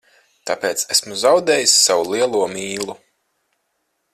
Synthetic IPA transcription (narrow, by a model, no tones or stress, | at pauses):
t̪apeːt̪sesmuzawd̪eːjisːawulˠiɛlˠuɔmiːlˠu